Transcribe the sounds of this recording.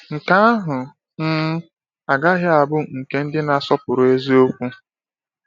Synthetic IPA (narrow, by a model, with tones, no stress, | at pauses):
ŋ̩˨ka˦a˦ɦʊ˨ | n̩˦ | a˨ɡa˦ɦɪ˦a˨bʊ˦ŋ̩˨ke˦n̩˦dɪ˦na˨sɔ˦pʊ˨ɾʊ˨e˦zi˦o˦kʷu˦